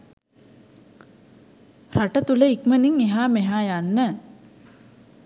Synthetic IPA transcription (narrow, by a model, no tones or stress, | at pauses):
raʈət̪uləikməniŋeɦaːmeɦaːjanːə